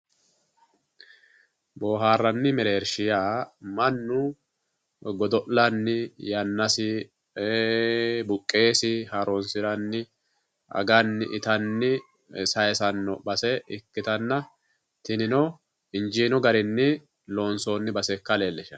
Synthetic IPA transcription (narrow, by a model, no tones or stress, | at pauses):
boːɦaːrːɐnːɪmɛɾeːɾʃɪjaːmɐnːʊ | ɡɔd̪ɔʔlɐnːɪjɐnːɐsɪ | bʊkʼːe̞ːsɪhɐɾonsɪɾɐnːɪ | ʔɐ̰ɡɐnːɪ̰ʔɪt̪ɐnːɪ | sɐjɛsɐnːɔbɐsɛɪkːɪt̪ɐnːɐ | t̪ɪnɪnɔ | ɪnd͡ʒiːnɔɡɐɾɪnːɪ | lo̞ːnso̞ːnːɪbɐsɛkːɐleːlːɛʃɐ